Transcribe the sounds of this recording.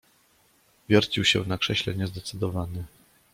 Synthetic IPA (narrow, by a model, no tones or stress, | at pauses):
vʲjɔɾt͡ɕiwɕɛ̰nakʂɛɕlɛɲɛzd̪ɛt̪sɘd̪ɔvanɘ